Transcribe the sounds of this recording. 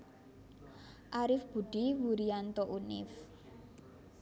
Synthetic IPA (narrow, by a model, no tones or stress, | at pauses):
ʔaɾɪfb̥ṳɖ̥iwuɾiant̪oʔunɪ̰f